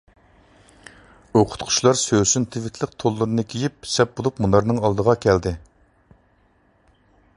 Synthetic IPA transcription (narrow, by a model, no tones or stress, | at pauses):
oqʰʊ̥t̪qʰʊ̥ʃlˠɑɾsøsynt̪ʰɪvɪt̪ʰlɪq̚t̪ʰolˠːɨɾɨnɨkʲʰejipsɛp̚bolˠupmunˠɑɾnɨŋɑlˠd̪əʁɑkʲʰɛld̪ɪ